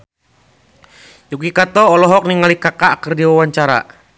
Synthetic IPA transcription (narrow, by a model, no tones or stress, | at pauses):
jukikat̪ɔːlɔɦɔk̚niŋalikakaʔkərdiwawaɲt͡ʃaɾa̰